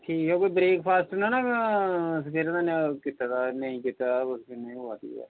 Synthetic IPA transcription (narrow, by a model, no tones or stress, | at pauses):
ʈʰiːkɛkoːiːbɾeːkpʰaːsʈənaːnaː | səkʰeːɾãd̪aːnkɪt̪ːaːd̪aːnəĩːkɪt̪aːosəkenəĩʊaːt̪ḭːa̰ː